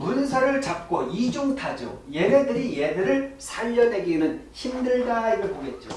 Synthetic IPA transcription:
muns̬ʰaɾɯɭt͡ɕap̚k͈oid͡ʑoŋtʰad͡ʑo̰jemedɯɾijemeɾɯɭsʰaʎːʌne̞ɡinɯnçimdɯɭɡaimɯɭpoɡe̞t̚t͡ɕ͈o̰

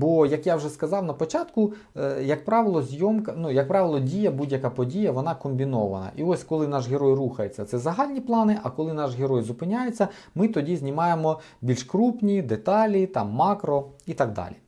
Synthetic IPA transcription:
bɔjɐkjawʒɛskɐzɑwnɐpɔt͡ʃɑt̪kʊ | jɐk̚pɾɑʋɪlˠɔzʲjɔmkɐnujɐk̚pɾɑʋɪlˠɔdʲijɐbudʲjɐkɑpɔdʲijɐʋɔnɑkɔmʲbʲinɔʋɐ̰nɐ̰ʔiɔsʲkɔlˠɪnɑʃɦeɾɔjruxɐjet͡sʲːɐt̪sɛzɐɦɑlʲnʲiplˠɑnɪʔɐkɔlˠɪnɑʒɦeɾɔjzʊpɪnʲajet͡sʲːɐ | mɪt̪ɔdʲizʲnʲimɑjemɔ | bʲilʲʃkɾupnʲid̪et̪ɑlʲit̪ɑmːɑkɾɔit̪ɑɡ̚d̪ɑ̰lʲi

